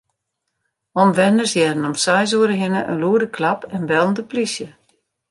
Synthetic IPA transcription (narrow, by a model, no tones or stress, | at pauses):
ɔmʋɛnərsjɛdənɔmsɛjz̬uəɾəɦɪnəʔə̰nluədəkʰlapɛnʋɛlˠəndəplisjə